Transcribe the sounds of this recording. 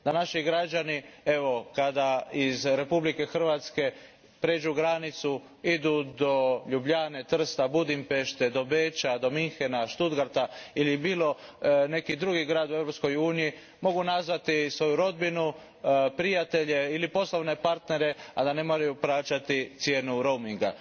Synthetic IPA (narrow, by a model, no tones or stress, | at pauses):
d̪anaʃiɡɾad͡ʒanie̞ʋo̞kad̪aizɾe̞publike̞xr̩ʋat̪ske̞ | pɾed͡ʒuɡɾanit̪su | id̪ud̪o̞ʎubʎaːne̞t̪r̩st̪abud̪impe̞ʃt̪ed̪o̞beːt͡ʃad̪o̞miŋxenaʃt̪ud̪ɡaɾt̪ailibiːlo̞ne̞kid̪ɾuɡiɡɾaːd̪ue̞vɾopsko̞juːniji | mo̞ɡunazʋat̪isʋo̞juɾo̞d̪binu | pɾijat̪e̞ʎe̞ilipo̞sloʋne̞paɾt̪ne̞ɾe̞ad̪ane̞mo̞ɾajuplaːt͡ʃat̪it̪sje̞ːnuɾo̞wmiŋɡa̰